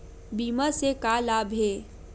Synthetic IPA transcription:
biːmasekalaːbʱɦeː

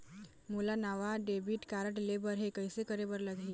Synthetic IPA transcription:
mulanaʋaɖebiːʈkaɾəʈlebəɾɦekəjsekəɾebəɾləɡʱiː

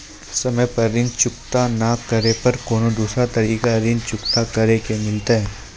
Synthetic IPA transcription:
sɐməjpɐɾɪ̃nt͡ʃʊkt̪anakɐɾepɐɾkoːnod̪uːsɾat̪ɐɾiːkaɾɪnt͡ʃʊkt̪akɐɾekemɪlt̪aɦɛː

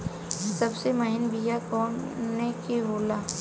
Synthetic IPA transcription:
sɐbsemɐɦɪnbijakɔːnːekiɦoːlaː

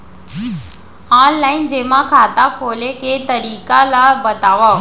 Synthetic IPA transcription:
aːnlaːɪnd͡ʑeːmãkʰaːt̪akʰoːleket̪əɾiːkalabət̪aːʋa

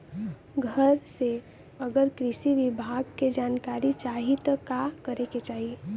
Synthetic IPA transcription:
ɡʱəɾse | əɡəɾkɾɪʃiʋɪbʱaːɡked͡ʒaːnkaːɾit͡ʃaːɦit̪kakəɾeket͡ʃaːɦi

